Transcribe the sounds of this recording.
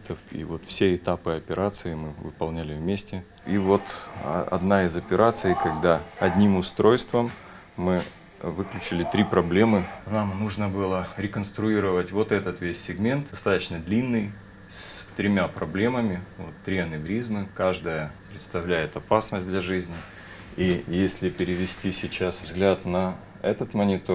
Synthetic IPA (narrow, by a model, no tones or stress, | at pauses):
t̪əfḭvo̞t̪fsʲeɪt̪apɨɐpʲɪɾʔat̪sɨɪmɨvɨ̰pɐlˠnʲælʲɪvmʲesʲtʲɪ | ivo̞t̪ɐ̰d̪naɪzɐpʲɪɾʔat̪sɨjkɐɡd̪aɐd̪ʲnʲimʊst̪ɾo̞jst̪vəmː | ɨ | vɨklʲʉt͡ɕɪlʲɪt̪ɾʲipɾɐblʲe̞mɨnamnuʐnəbɨlˠəɾʲɪkənst̪ɾʊiɾəvətʲvo̞t̪ɛt̪ət̪vʲesʲːɪɡmʲe̞nt̪̚d̪ɐst̪at̪ət͡ɕnəd̪lʲinːɨj | sst̪ɾʲɪmʲapɾɐblʲe̞məmʲɪvo̰t̪ːɾʲiɐnɨɡɾʲizmɨkaʐd̪əjəpɾʲɪt̪st̪ɐvlʲæjɪt̪ɐpasnəsʲdlʲɐʐɨzʲnʲɪ | ijesʲlʲɪpʲɪɾʲɪʋʲɪsʲtʲisʲɪt͡ɕasvzɡlʲat̪nɐ | ɛt̪ət̪mənʲɪt̪o